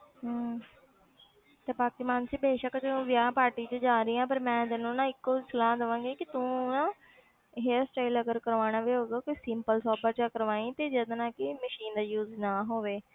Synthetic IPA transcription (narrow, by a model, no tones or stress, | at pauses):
ɦ | t̪eːpaːkɪsmaːnsiːbeːʃəkd͡ʒnũːʋjaːpaːɾʈiːt͡ʃəd͡ʒaːɾiːãːpəɾmɛ̃ːd̪ɪnũːnãːɪkːoːsəlaːd̪əʋãːɡeːkɪt̪ũːnãː | ɦesʈaːɪləɡəɾkəɾʋaːɽ̃aːʋeːɦoːɡaːkisɪmpəlsɔːbaːt͡ʃakəɾʋaːĩːt̪eːd͡ʒəd̪nãːkɪməʃiːnd̪aːjuːznaːɦoːʋeː